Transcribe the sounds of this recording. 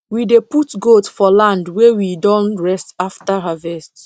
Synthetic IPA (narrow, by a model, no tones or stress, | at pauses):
wideputɡotfɔlãndwɛwidɔ̃nɹɛstaftaɦavɛst